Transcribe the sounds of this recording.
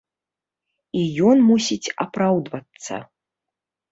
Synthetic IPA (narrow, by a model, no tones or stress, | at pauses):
ijɔnmusʲit͡sʲapɾawd̪vɐt̪sːɐ̰